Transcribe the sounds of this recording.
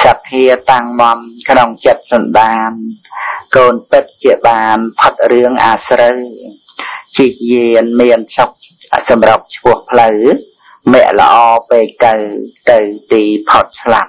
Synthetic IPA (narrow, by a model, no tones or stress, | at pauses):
sapʰːiət̪aŋmŏəmkʰnoŋt͡ɕət̪̚sɑnɗaːnkoːnpɨt̪̚t͡ɕiəɓaːnpʰot̪̚rɨəŋʔaːsrəw | t͡ɕihjiənmiənsok̚ | sɑmrap̚t͡ɕʰpʊ̆əhpʰləw | mɛ̆əʔlə̰̆ʔɑːpeːk̚t̪ɨwt̪ɨwt̪iːpʰot̪̚sʰla̰p̚